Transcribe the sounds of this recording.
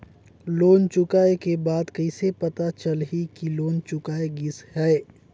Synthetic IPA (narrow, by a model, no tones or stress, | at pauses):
loːnt͡ʃʊkaːekebaːd̪kɐɪsepɐt̪at͡ʃəlɦikiloːnt͡ʃʊkaːeɡɪshɛː